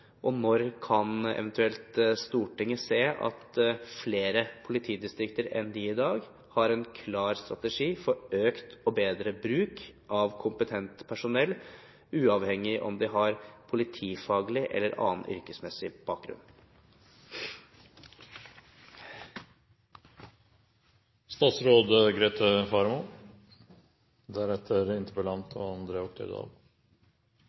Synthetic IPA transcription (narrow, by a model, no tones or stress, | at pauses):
ʔɔnɔɾkʰɑnɛ̰ʋɛnt̪ʉɛlt̪st̪uːʈɪŋːəseːʔɑ̰t̪fleːɾəpʰʊlɪt̪ʰiːd̪ɪst̪ɾɪkt̪əɾɛ̰nd̪iɪd̪ɑːɡ | hɑɾɛnkʰlɑːɾst̪ɾɑt̪ɛʂiːfɔɾøːkt̪ɔbeːd̪ɾəbɾʉːkʔɑʋkʰʊmpət̪ʰɛnt̪pʰæʂʊnɛlː | ʉːɑʋhɛŋːɪʔɔ̰md̪ɪɦɑɾpʰʊlɪt̪ʰiːfɑːɡlɪʔɛ̰lːəɾʔɑ̰ːnʏ̰ɾkəsmɛsɪb̥ɑːk̚ɡɾʉ̰n | st̪ɑːt̪sɾoːd̪əɡɾeːt̪ʰəfɑɾmʊ | d̪æɾɛt̪ʰːəɾɪnt̪əɾpəlɑnt̪ʰɔɑnd̪ɾeːɔk̚t̪ʰə̰d̪ɑ̰ːʋ